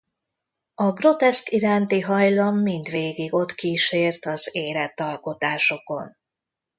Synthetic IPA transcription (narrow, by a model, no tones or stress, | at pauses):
ɒɡro̞t̪ɛskiɾaːnt̪iɦɒjlɒmːind̪ʋeːɡiɡo̞t̪kiːʃeːrt̪ɒzeːlɛt̪ːɒlko̞t̪aːʃo̞ko̞̰n